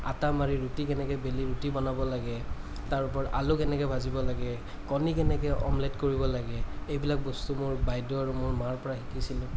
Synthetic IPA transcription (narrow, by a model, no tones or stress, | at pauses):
a̰tamaɹiɹutikɛnɛkɛbeliɹutibɔnabɔlaɡɛ | taɹʊpɔɹʔa̰lʊkɛnɛkɛbʱazibɔlaɡɛ | kɔnikɛnɛkɛʔɔ̰mlɛtkoɹibɔlaɡɛejbilak̚bɔstumʊɹbajdɔɹumʊɹmaɹpɔɹaɦikisilʊ̃